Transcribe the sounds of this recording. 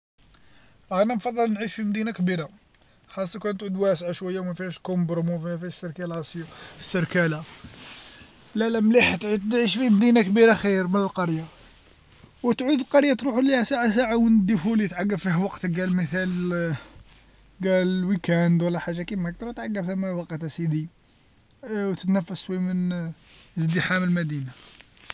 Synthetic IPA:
ʔænæmfɑd̪ˤːəlnʕiʃfimd̪inakbiɾa | xɑsˤːɑkunt̪ʕud̪wæsʕaʃwæjːawmæfihæʃkombɾomufimæfiæʃsəɾkælʔɑsjusːəɾkæla | lælæmliħt̪ʕud̪ʕiʃfimd̪inakbiɾaxiɾmənəlqɑɾja | wt̪ʕud̪əlqɑɾjat̪ɾuħulihæsaʕas̬aʕawənəd̪ːifulit̪ʕaɡːəbfiɦwɑqt̪ɡælməθæl | ɡæləlwikænd̪wəlːæħaʒːakimæk̚t̪ɾˤɑt̪ʕaɡːəbθəmːæwɑqt̪æsid̪i | wt̪ət̪næfːəswimən | əzd̪əħaməlmæd̪ina

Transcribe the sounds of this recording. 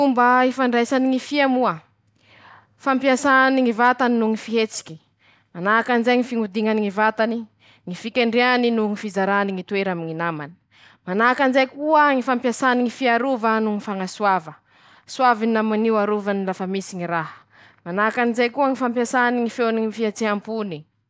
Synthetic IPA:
umbaifaɳɖ͡ʐajsaniŋifiamua | fampiasaniŋivat̪aninuŋifiɦet͡si̥kʲi̥ | manakanzaŋifiŋud̪iŋaniŋivat̪ani | ŋifikʲeɳɖ͡ʐianinuŋifizaɾaniŋit̪weɾamiŋinamani̥ | manakanzajkuəŋifampjasaniŋifiaɾuvanuŋifaŋaswavə | suavinamaniaɾuvanilafəmisiŋiɾaɦə̥ | manakanizajkuəŋifampjasaniŋifeniifiat͡seɦampuni

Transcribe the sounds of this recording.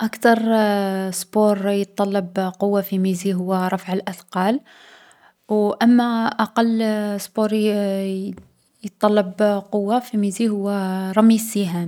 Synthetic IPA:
ʔakt̪ɑɾˤsboɾjət̪ˤːɑlːɑbqʊwːafimiziɦʊwːæɾˤɑfʕəlʔæd̪qɑl | wʔəmːæʔɑqɑlːsboɾ | jət̪ˤːɑlːɑbqʊwːafimizihʊwːæɾˤɑmːiziɦæm

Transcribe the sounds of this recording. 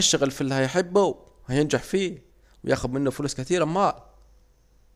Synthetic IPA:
ɪʃːaɣalfilːihajħɪbːuw | hajɪnd͡ʒaħfiː | wjʔa̰ːxʊd̪mɪnːafʊlʊskat̪iːɾamːaːl

